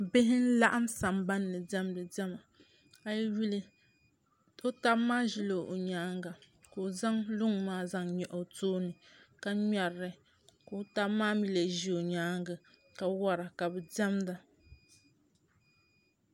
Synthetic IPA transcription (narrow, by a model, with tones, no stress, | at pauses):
bɪ˦ɦɪ˦n̩˦la˦ʔa˦msa˨mba˦nːɨ˨dɛ˦mdɨ˨dɛ˦ma˨ | a˨jwi˦li˦ | o˦ta˦bmaː˦ʒi˦lo˨ʔo˨ɲaː˨˦ŋɡa˨ | ko˨za˦ŋlʊ˦ŋmaː˦za˦ŋɲɛ˨ʔo˨toː˦nɨ˨ka˦ɲa˨ɾɨ˨ | ko˨˦ta˦maː˦mi˦le˨ʒi˦o˨ɲaː˨˦ŋɡa˨ | ka˨wa˦ɾa˨ka˨bɛ˨dɛ˦mda˨